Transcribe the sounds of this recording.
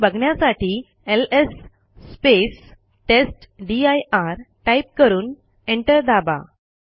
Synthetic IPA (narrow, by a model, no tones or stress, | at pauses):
bəɡʱɳjasaʈʰiː | elesː | pes | ʈesʈɖiajʔaɾʈajp̚kəɾuːn | eɳʈəɾd̪aba̰